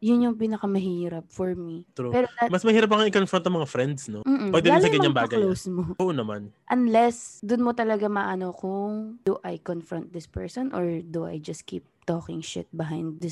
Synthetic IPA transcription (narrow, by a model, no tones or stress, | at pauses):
jʊnjʊŋp̬iːnɐkɐmɐɦiːɾɐp̚fɔɹmit̪pɛːɾod̪amɐsmɐhiːɾɐp̬̚ːɐkɐŋɪkonfɾɔnt̪ːɐŋmɐŋafɾɛnd̪snopm̩ːʔm̩pwɛdd̪d̪alsɐɡɐɲɲambaːɡɐlowsmoʔoʔonɐmanʔɐnlɛsd̪ʊnmot̪ɐlɐɡamaʔɐnokʊŋd̪uʔajkɔnfɾɔnt̪̚d̪ɪspɛɹsɔnʔɔɹd̪uʔa̰jd͡ʒɐst̪̚kḭːp̚t̪oːkɪŋʃɪ̰t̪̚bɪɦajnd̪̚d̪ɪs